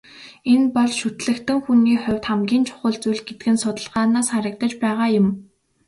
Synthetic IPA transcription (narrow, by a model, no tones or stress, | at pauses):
enpɔɮʃut̪ɮɘ̆kt̪ɘ̆ŋxuniːχʊwʲt̪χamɡʲiːnt͡ɕʰʊ̥χə̆ɮt͡sujɮɡet̪ɘ̆ɡɘ̆nsʊt̪ə̆ɮʁaːnaːsχaɾə̆k̚t̪ə̆t͡ɕpæːʁaːjʊm